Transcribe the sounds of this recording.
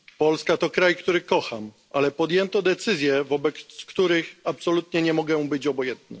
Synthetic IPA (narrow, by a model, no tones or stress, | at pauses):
pɔlskat̪ɔkɾajkt̪uɾɘkɔxam | alɛpɔd̪jɛnt̪ɔd̪ɛt̪sɘzʲjɛvɔbɛk̪skt̪uɾɘxapsɔlut̪ɲɛɲɛmɔɡɛũbɘd͡ʑɔbɔjɛnt̪nɛ̰